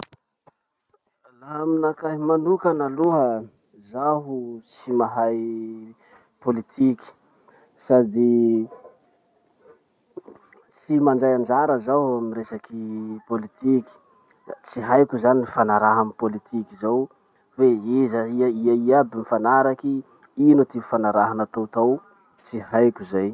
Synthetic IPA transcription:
laminakaɦimanukanaluɦə | zaɦut͡simaɦaj | polit̪ʰiki̥ | sad̪i | t͡simand͡ʒajand͡ʒaɾəzaɦaminresakipolit̪iki̥ | t͡siɦajkʲuzaniifanaɾaɦamipolit̪ʰikizaw | veezaiaiaiabimifanaɾaki | inut̪ifanaɾaɦanat̪owt̪aw | t͡siɦajkʲuzaj

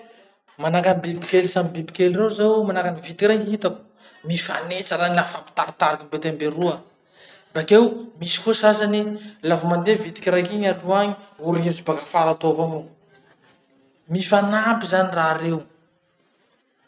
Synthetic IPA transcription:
manakanibibikelisamibibikelirezawmanakanivit̪i̥kʲiɾakɦit̪aku̥ | mifa̰net͡saɾanafampi̥t̪aɾit̪aɾakambet̪ambeɾuə | bakewmisi̥kosazanilavamand̪evit̪i̥kʲiɾakiɲaɾuaɲiuɾimut͡sibakafaɾat̪ovavo | mifanampizaniraːɾew

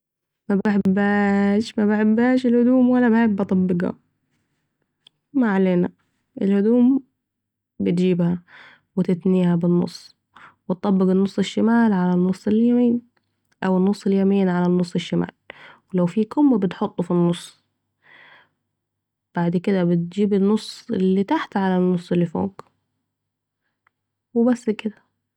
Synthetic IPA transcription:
mabaħɪbaʃmabaħɪbːaːʃɪlhʊd̪uːmwalːabaħɪbːɑt̪ˤɑbːɪɡa̰ | maʕaleːna̰ | ʔɪlhʊd̪uːm | bɪt̪d͡ʒiːbha | wɪt̪ɪt̪niːhabɪnːʊ̰sˤː | wɪt̪̚ːˤɑbːɪɡɪnːʊsˤːɪʃːamaːlʕalanːʊsˤːɪljamiːn | ʔawɪnːʊsˤːɪljamiːnʕalanːʊsˤːɪʃːama̰ːlwɪlawfiːkʊmːabɪt̪ħot̪ˤːufinːʊsˤː | b̥aʕd̪kɪd̪abɪt̪̚d͡ʒiːbɪnːʊsˤːɪlːit̪aħt̪ʕalanːʊsˤːɪlːifo̰ːk | wɪbasːkɪd̪ḁ

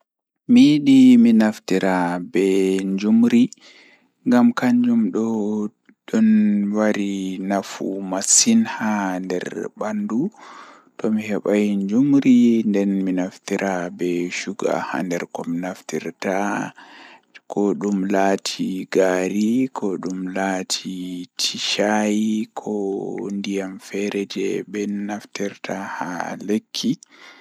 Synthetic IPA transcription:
miɗiminaftiɾabɛɲd͡ʒumɾi | ŋɡamkaɲd͡ʒumɗɔ | ɗɔnwaɾinafṵmasinhandɛ̰ɾbandu | tɔmihɛɓajɲd͡ʒumɾindɛnminaftiɾʔabɛʃuɡa̰ha̰ndɛɾkɔmnaftiɾta | kʰɔɗumlaːtʰiɡaɾikʰɔɗumlatʰitʰiʃajikʰɔndijamfɛɾɛd͡ʒɛbɛnaftiɾtʰaha̰lekʰːi

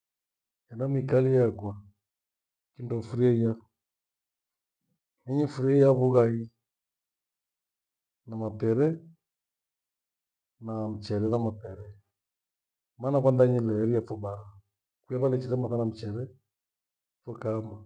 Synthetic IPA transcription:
ɛnamikalijakwa | kindɔfuɾiɛija | ɛɲifuɾiɛijaβuɣai | namapɛɾɛ | nam̩t͡ʃɛɾɛðamapɛɾɛ | manakwandaɲilɛɾijafɔbaɾa | kujaβalɛt͡ʃiɾɛmaðanam̩t͡ʃɛɾɛ | fɔkama

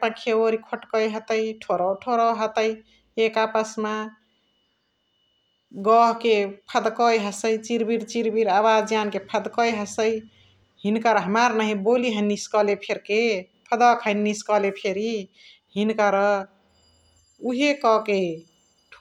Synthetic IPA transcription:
pãkʰewoɾikʰoʈkəjɦət̪əjʈʰoɾɔwʈʰoɾəɦət̪əj | ekapəsma | ɡɔɦkepʰəd̪kɔjɦəsəjt͡ʃiɾbiɾt͡ʃiɾbiɾabad͡ʒjankepʰəd̪kəjɦəsəj | hinkaɾɦəmaɾnaɦĩboliɦəniskʌlepʰeɾke | pʰəd̪ɔkʰənːiskɔlepʰeɾi | hinkaɾɔ | uɦekɔke | ʈʰ

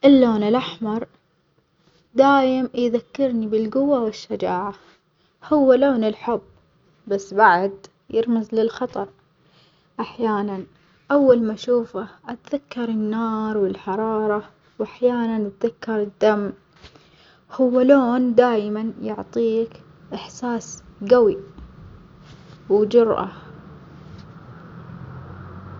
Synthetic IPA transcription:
ʔɪlːoːnɪlʔaħmɑɾˤ | d̪aːjɪmjðakːɪɾnibɪlɡʊwːawɪʃːad͡ʒaːʕa | hʊwːaloːnɪlħʊb | basːbaʕad̪ | jɪɾmazlɪlxɑt̪ˤɑɾˤ | ʔaħjaːnan | ʔawːalmaʃuːfaʔat̪ðakːɑɾˤɪnːɑːɾˤwɪlħɑɾˤɑːɾˤɑ | wʔaħjaːnanʔat̪̚ðakːɑɾˤɪd̪ːam | hʊwːaloːnd̪aːjmanjʊ̰ʕt̪ˤiːk | ʔɪħsaːsɡawi | wd͡ʒʊɾʔa̰

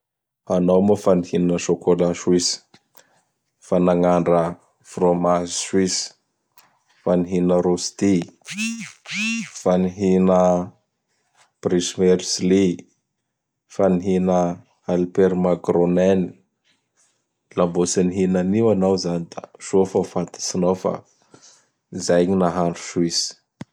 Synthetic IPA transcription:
hanawmofanihinəʃokolaʃwis | fanaŋaɳɖ͡ʐə | fromazswis | faniɦinəɾost̪i | faniɦinə | b̥rismeɾisli | faniɦinə | alpeɾmakroneni̥ | lambosiniɦinaniwanawzanid̪̥a̰ʃofafat̪ʰḁsinawfa̰ | izajɲinaɦaɳɖ͡ʐu̥swis

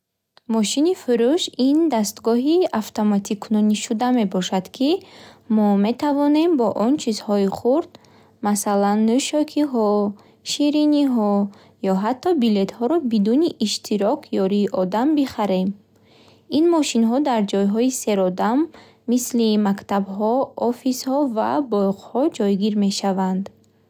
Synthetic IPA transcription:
mɔʃinifuɾuʃind̪ast̪ɡɔɦiaft̪ʰomat̪ʰikʰunɔniʃud̪ame̞bɔʃad̪̥kʰimɔme̞t̪ʰavɔne̞mbɔʔɔnt͡ʃʰizhɔiχuɾd̪ | masalanːuʃɔkʰiɦɔ | ʃiɾiniɦɔ | jɔɦat̪ːɔbile̞t̪hɔɾɔbid̪uniʔiʃt̪ʰiɾɔkʰjɔɾiːʔɔd̪ambiχaɾe̞m | inmɔʃinɦɔd̪aɾd͡ʒɔjɦɔise̞ɾɔd̪amː | islimakt̪abɦɔɔfishɔva̰bɔjqhɔd͡ʒɔjɡiɾme̞ʃavand̪

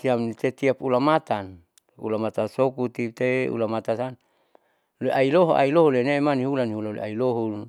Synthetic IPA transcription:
t̪iamt̪et̪iapulamat̪an | ṵlamat̪asokut̪it̪eṵlamat̪asan | loeʔailoɦoʔa̰iloɦolenemaniɦulaniɦulalḛʔailoɦu

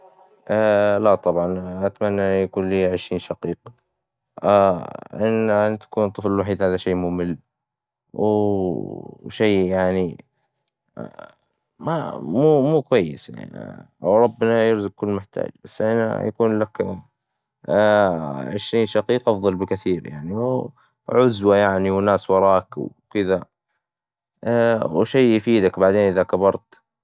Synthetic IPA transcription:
ʔalat̪ˤɑbʕɑnʔat̪manːaʔjakuːnliːʕɪʃɾiːnʃɑqiːq | aʔɪnːat̪ḁkuːnt̪ˤɨflɪlwaħiːd̪haːðaʃeːmʊmɪl | w | ʃeːjaʕni | mamuːmuːkwajːɪsja̰ʕn̰ | wɾˤɑbːnajɪɾzʊk̚kʊlːmɪħt̪a̰ːd͡ʒb̥asːʔana̰ja̰kuːnlak | ʕɪʃɾiːnʃɑqiːqʔɑfðˤɑlbɪkaθiːɾja̰ʕniw | ʕʊzwajaʕniwnaːswɑɾˤɑːkw | kɪða | wʃejːjfiːd̪akbaʕd̪eːnʔɪðakabɑɾˤt̪

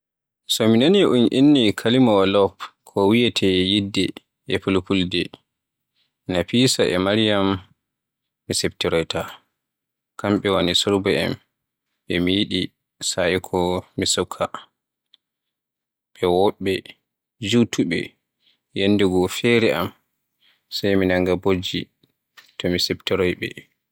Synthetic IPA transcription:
sɔminaniʔunʔḭnːikʰalimaalɔpkʰɔwijɛtʰɛjidːɛ | ʔɛpulupuldɛ | napisaʔɛmaɾijam | isɛptiɾɔjta | kamɓɛwanisɔɾbɛɛ̰m | ɛmijiɗi | saikʰɔmisɔkʰːa | ɓɛwɔɓːɛ | d͡ʒutʰuɓɛ̰ | janːdɛɡɔfɛɾɛʔa̰m | sajminaŋɡabod͡ʒḭ | tɔmisɛptɛɾɔjɓɛ̰

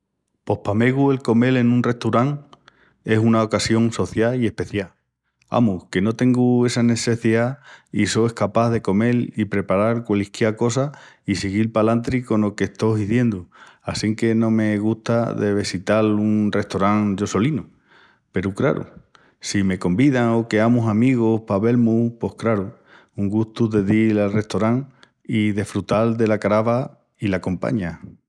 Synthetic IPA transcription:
po̞hpame̞ɣue̞lko̞me̞le̞nũnre̞ht̪uɾaŋ | e̞sunaokasjo̞ŋso̞θjaie̞hpe̞θjal | a̰muke̞no̞t̪e̞ŋɡue̞sane̞se̞θiaiso̞ehkapaððe̞ko̞me̞lipɾe̞paɾaɾkwelikjako̞sa | isiɣilpalant̪ɾiko̞no̞keht̪o̞ɦiθje̞nd̪uasiŋke̞nõ̞me̞ɣuht̪aðe̞βisit̪alunre̞ht̪o̞ɾaŋd͡ʒo̞so̞linu | pe̞ɾukɾa̰ɾṵ | sime̞ko̞mbiðaŋo̞ke̞amusamiɣ̞ohpaβe̞lmupo̞hkɾaɾu | uŋɡust̪uðe̞ðilalre̞ht̪o̞ɾaŋ | iðe̞hfɾut̪ald̪e̞lakaɾaβa | ilako̞mpa̰ɲa

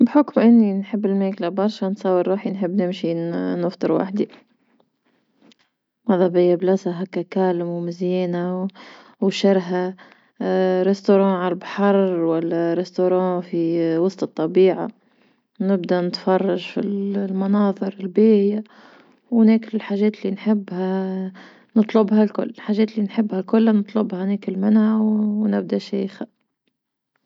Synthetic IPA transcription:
bħʊkmʔɪnːinħɪbːɪlmeːklabɑɾˤʃansɑːwɪɾɾːuːħinħɪbːnɪmʃinəft̪ˤɨɾwa̰ħd̪i | mɑðˤɑbɪjːablasaɦakakaːlɪmwmɪzjɛːnaw | wʃɪɾɦa | ɾest̪oɾˤɑ̃ːʕalalbħɑɾˤwalːaɾest̪oɾˤɑ̃ːfiwɑsˤt̪ɨt̪ˤːɑbiːʕa̰ | nɪb̚d̪anɪt̪fɑrˤːɑʒfḭllmɑnɑːðˤɨɾɪlbeːʕɪja | wnekɪlɪlħaːʒɛːt̪lːinħɪbːha | nɨt̪ˤlʊbhalkʊ̰lːlħaːʒɛːt̪lːinħɪbːhakʊlːanɨt̪ˤlʊbhanɪkɪlmɪnhawnɪb̚d̪aʃeːjxa

